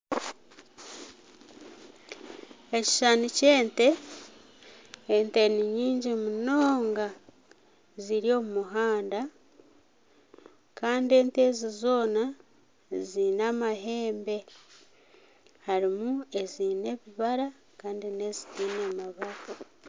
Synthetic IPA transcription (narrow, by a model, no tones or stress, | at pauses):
eci̥ʃanuce̞ːnte̞ | nteniɲiːɲɟimuno̞ːŋɡa | ziɾjo̞mumuɦaːnda | kaːndie̞ːnte̞ːzizo̞ːna | zinaːmaɦe̞ːmbe̞ | haɾimue̞zine̞βiβaɾa | kaːndine̞zitiːnemaβaka